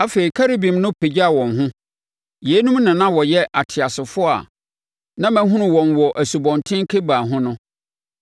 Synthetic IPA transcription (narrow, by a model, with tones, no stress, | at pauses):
a˦fe˨i˨kʰa˦ɾe˦bĩ˨mnʊ̃˦pʰe˨d͡ʑa˨wɔ̃˨nɦʊ̃˦ | je˨˦nũ˦mnɪ̃˨nã˦wɔ˨jɛ˦ʔa˨tʰɪ˨a˨sɪ˨fʊ˦a̰˨ | nã˦mæ̃˦ɦʊ̃˦nʊ̃˨wɔ̃˨nwɔ˨ʔæ˨su˨bɔ̃˨ntʰɪ̃˦ŋ˦kʰe˦baː˨ɦʊ̃˦nʊ̃˦